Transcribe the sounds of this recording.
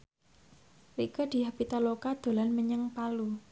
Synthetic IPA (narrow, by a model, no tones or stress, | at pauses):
rikəd̪̥i̤ɦab̥it̪alokad̪̥o̤lanməɲəŋpalu